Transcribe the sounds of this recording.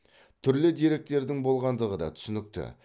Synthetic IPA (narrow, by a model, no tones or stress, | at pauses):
t̪ʰʏɾlɪd̪e̞ɾe̞k̚t̪e̞ɾd̪ɪŋbo̞lˠʁɑnd̪əʁəd̪ɑ̰t̪ʰʏ̥sʏnɪk̚t̪ɪ̰